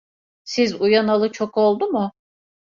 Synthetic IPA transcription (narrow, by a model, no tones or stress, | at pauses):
sizujanalˠɯt͡ʃʰoko̞lˠd̪umʊ